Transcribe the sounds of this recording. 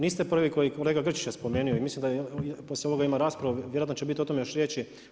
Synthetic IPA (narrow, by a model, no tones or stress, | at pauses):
niːst̪epr̩ʋiko̞jikoleːɡaɡr̩t͡ʃi̥t͡ɕaspo̞meːnijoimislimd̪aposlʲeoo̞ɡaimaɾaːspɾaʋuʋjeɾoat̪not͡ʃebit̪iot̪o̞mejoʃɾjet͡ʃi